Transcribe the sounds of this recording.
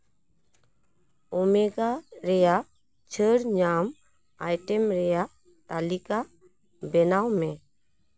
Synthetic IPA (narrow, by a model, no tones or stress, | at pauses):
ɔmɛɡaɾɛja | t͡ʃʰəɾɲam | ajʈɛmɾɛja | t̪alika | bɛnawmɛ